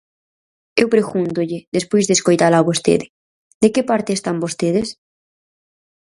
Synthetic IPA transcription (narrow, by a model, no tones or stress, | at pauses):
ewpɾeɣunt̪oʎeðespojzðeskojt̪alaβost̪ḛðe | d̪ekepaɾt̪est̪ambost̪eð̞es